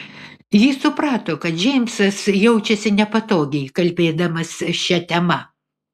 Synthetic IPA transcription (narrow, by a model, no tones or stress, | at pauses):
jiːsʊpɾɑːt̪oːkɐt̪d͡ʒʲɛɪmʲsɐsjɛʊt͡ʃʲɛsʲɪnʲɛpɐt̪oːɡʲɛɪkɐlʲbʲeːd̪ɐmɐsʃʲɛt̪ʲɛmɐ